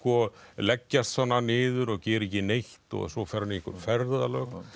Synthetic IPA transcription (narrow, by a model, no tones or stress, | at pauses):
kɔlɛcːast̪fanːanɪːðʏɾɔɣcɛːɾɛcɪnejht̪ɔ̰ɣsɔwfɛɾanɪihkʏɾfɛɾðalœːk